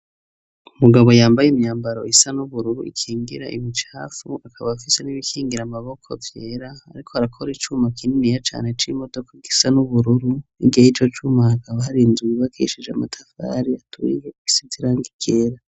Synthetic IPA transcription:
umuɡaβo̞jaːmbajemɲaːmbaɾo̞isanuβuɾuɾuʔḭkʰiːŋɡiɾa̰ʔimit͡ʃaːfuakʰaβaːfise̞niβikʰiːŋɡiɾamaβo̞kʰo̰vje̞ɾa̰ːɾikʰo̞haɾakʰoɾit͡ʃumakininijat͡ʃa̰ːne̞t͡ʃimo̞do̞kaɡisanuβuɾuɾuniɡihait͡ʃo̞t͡ʃumaakaβahaɾinzuiβakʰeʃid͡ʒeamatʰafa̰ɾiatʰṵijei̥siziɾaŋɡikʰeɾa

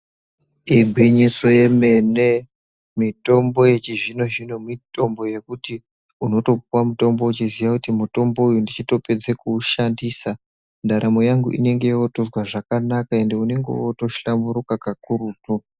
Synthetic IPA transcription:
iɡʱwiɲiso̞je̞me̞ne̞ | mito̞mbo̞je̞t͡ʃiʐino̞ʐino̞mito̞mbo̞je̞kuti | uno̞to̞p̚uwamuto̞mbo̞ut͡ʃizijakutimuto̞mbo̞ujundit͡ʃito̞pe̞d͡zekuːʃandiːsa | ndaɾʔamo̞jaŋɡṵʔḭne̞ŋɡe̞jootozwaʐakanakae̞nde̞une̞ŋɡḛoto̞ʃambuɾukakakuruːtu

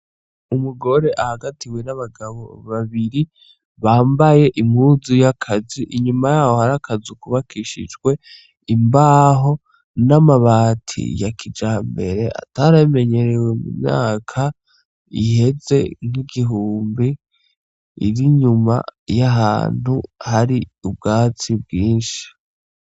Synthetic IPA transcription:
umuɡo̞ɾe̞ʔahaɡatiwe̞naβaɡaβo̞̰βaβiɾi | βaːmbaje̞ʔiŋhuzujakʰaziʔiɲumajaːho̞haɾakʰazikuβakʰiʃḭd͡ʒɡwe̞ | imbaːɦo̞ | namaβaːtʰḭjakʰid͡ʒaːmbe̞ɾe̞ʔa̰taɾame̞ɲe̞ɾeweumṵmɲa̰ːkʰa | ḭhe̞ze̞̰ŋ̥iɡiɦuːmbi | ḭɾiɲuma̰jaɦa̰ːn̥uhaɾiubɡaːt͡sibɡiːnʃi̥

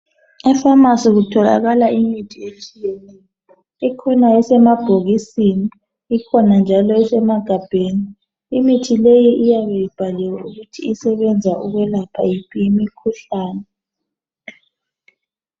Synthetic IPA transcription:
ɛfamasiɣutʰɔla̰ɣalaimitʰiet͡ʃʼijɛnɛjɔ | ikʰɔnaɛsɛmab̥ʱoɣisiniː | kʰɔnand͡ʒʱalɔɛsɛmaɡ̥ʱab̥ʱeni | imitʰilejiʔijaβejib̥ʱalɛwauɣutʰiisɛβɛnd͡zʱaʔuɣwɛlapʰa̰jipʰiimikʰuɬaːnɛ

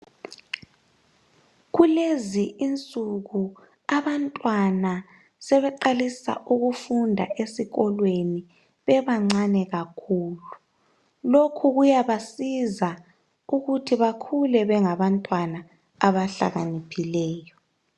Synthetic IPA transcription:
ɣuleziʔint͡sʼuɣu | aβantʼwana | sɛβɛǃalisa̰ʔuɣufundʱa̰ʔesiɣɔlweni | βɛβaŋ͡ǀanɛɣakʰuːlu | lokʰuɣujaβasiza | uɣutʰiβakʰulɛβɛŋaβantʼwanaː | βaɬa̰ɣanipʰilɛːjɔ

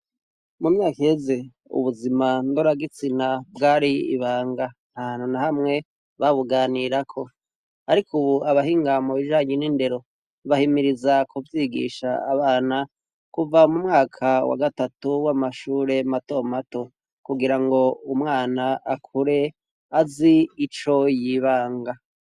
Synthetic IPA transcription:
mumɲaːkihe̞ze | ṵβuzimandoɾaɡit͡sinabɡaːɾiḭβaːŋɡa | nhaːn̥hunahamŋe̞ | βaβuɡaːniɾakʰo̞ | aɾikʰuβuaβahiːŋɡamuβiʒaːɲeninde̞ɾo̞ | βahimiɾizakuvjiːɡḭːʃa̰ːβaːna | kuvamumŋaːkʰawa̰ɡatatuwamaʃuːɾe̞mato̞mato̞ | kuɡiɾaŋɡo̞umŋaːnaːkʰuɾe̞ | aziːt͡ʃo̞jiβaːŋɡa

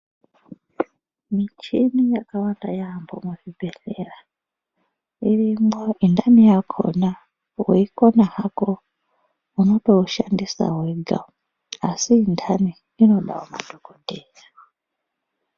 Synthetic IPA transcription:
mit͡ʃinijakawandajambomuvibʱeɬera | irimwoindamijakʰo̰na | weikonahako | uno̞to̞uʃandisa̰weɡʱa̰ | asiːndʰani | ino̞ɗa̰wama̰dʱokodʱeːja

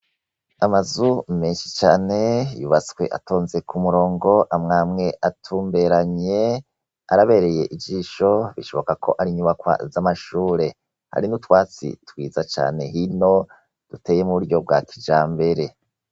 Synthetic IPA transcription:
amazume̞ːnʃi̥t͡ʃaːne̞juβat͡swe̞̰ʔa̰to̞ːnze̞kʰumuɾo̞ːŋɡo̞ʔamŋaːmŋe̞ʔatʰuːmbe̞ɾaɲe̞ | a̰ɾaβe̞ːɾe̞je̞ʔid͡ʒiːʃo̞βiʃo̞βo̞kakʰo̞̰ʔaɾiɲuβakwa̰zamaʃuːɾe̞ | ha̰ɾinutwaːt͡sḭtwḭːzat͡ʃa̰ːne̞ɦino̞ | d̥uteje̞muβuɾɟo̞b̚ɡwa̰kʰid͡ʒaːmbe̞ɾe̞

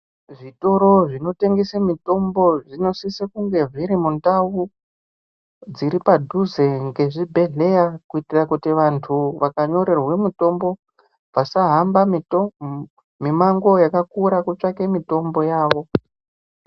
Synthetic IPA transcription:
ʐito̞ɾo̞ʐino̞te̞ŋɡesemito̞mbo̞ʐino̞sisekuŋɡe̞ʐiɾimundawu | d͡ziɾipadʱuzeŋɡe̞ʐibʱe̞ɮe̞jakuitirakutiʋantʰuʋakaɲo̞ɾe̞rwemito̞mbo̞ | vasaɦamba | mimaŋɡo̞jakakuɾakut͡ʂakemito̞mbo̞jaːʋo̞

